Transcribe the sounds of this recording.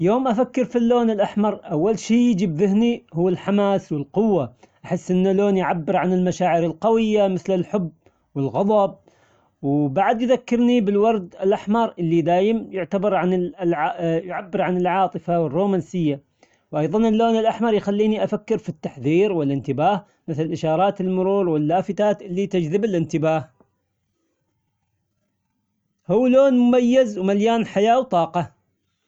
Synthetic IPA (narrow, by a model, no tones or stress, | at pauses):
joːmʔafakːɪɾfilːoːnɪlʔaħmɑɾˤʔawːalʃiːjɪd͡ʒiːbðɪɦnihuːɪlħamaːswɪlqʊwːa | ʔaħɪsːʔɪnːaloːnjʕabːɪɾʕanɪlmaʃaːʕɪɾɪlqɑwɪjːamɪθlɪlħʊb | wɪlɣɑðˤɑb̚ | wbaʕd̪jðakːɪɾnibɪlwɑɾˤd̪ɪlʔaħmɑɾˤʔɪlːid̪aːjɪmjʊʕt̪abɑɾˤʕanɪlʕjʊʕabːɪɾʕanɪlʕɑːt̪ˤɨfawɪrːoːmansɪjːa | wʔɑjðˤɑnɪlːoːnɪlʔaħmɑɾˤjxalːiːniʔafakːɪɾfit̪ːaħðiːɾwɪlɪnt̪ɪbaːh | mɪθlɪlʔɪʃɑːɾˤɑːt̪ɪlmʊɾuːɾwɪlːaːfɪt̪aːt̪ʔɪlːit̪ɪd͡ʒðɪbɪlʔɪnt̪ɪbaːh | huwːloːnmʊmajːɪzwmaljaːnħajaːwt̪ˤɑːqɑ